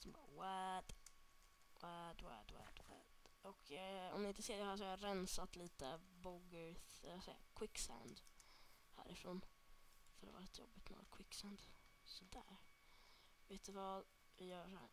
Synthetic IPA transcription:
sɔmbɑ̰ːwæd̪̥ | wæd̪wɛ̰d̪wa̰d̪wɛ̰d̪̥ɔkʰɔ̰md̪ɪɪnt̪əseːɖɛhæʂ̬ɔɾɛnsat̪liːt̪əbɔɡəɾθɛsɛːa̰kʰwɪkːsa̰ʊnd̪ | hæ̰ːɾʔɪfɾoːn | fœɾd̪ɛ̰va̰lɛt̪ːəjɔ̰bːɪt̪no̰ɡ̰t̪kʰwɪkːsaʊnd̪sɔd̪æɾ | veːt̪ʉvɑd̪ | vɪjœːʂɔhæ̰ː

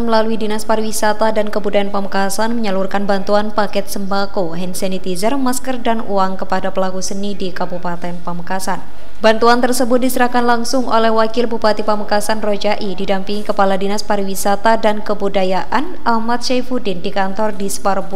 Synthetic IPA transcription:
məlaluidinaspaɾiwisat̪adankəbudajanpaməkasanməɲəlurkanbant̪uanpakɛt̪̚səmbakoɦɛnsɛnit̪izərmaskərdanuaŋkəpadapəlakusənidikabupat̪ɛnpaməkasan | bant̪uant̪ərsəbʊt̪̚disəɾahkanlaŋsʊŋʔo̰lɛhwakɪlbupat̪ipaməkasanrod͡ʒaʔididampiŋikəpaladinaspaɾiwisat̪adankəbudajaʔanʔahmat̪̚ʃajfudɪndikant̪ɔrdisparbu

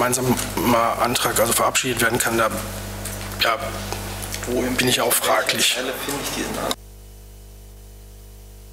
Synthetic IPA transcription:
maɪnzaːmmːaʔa̰ntʁ̥aːkʔalzofɛɐʔapʃiːdətv̥eːɐdn̩kʰandaː | jaː | b̥ɪnɪçʔaʊxfʁ̥aːklɪçɛləfɪnɪçd̥ḭzna̰

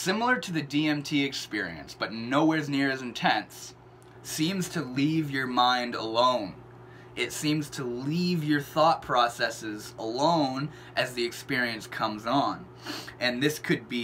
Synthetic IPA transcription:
sɪ̃ml̩ˠə˞ɾɨðɨdiɛ̃mtʰiɨkspɪɹḭɨ̰̃nsb̥ʌtⁿnoʊwɛɹznɪɹɨzɨ̃n̩tʰɛ̃ns | ĩmz̥tʰɨlivjə˞mãɪ̃ndəlõʊ̃n | ɪtsĩmz̥tʰəlivjə˞θɔt̚pʰɹ̥ɔsɛsɪzəlõʊ̃n | ʔɨzðiɨkspɪɹiɨ̃nskʰʌ̃mzn̩ | ɨ̃nðɪskʰɨd̚bi

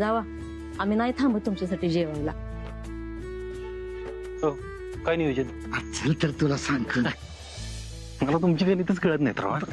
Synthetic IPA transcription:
d͡zaʋa | aminajt̪ʰambət̪umt͡ɕas̬aʈiːd͡ʑeʋalla̰ | o | kajniod͡ʑən | ətːt͡səlt̪əɾt̪ulasaŋkəː | malat̪̬umt͡ɕikanit̪ət͡sɡəɭət̪najt̪ə̰ɾʋa̰

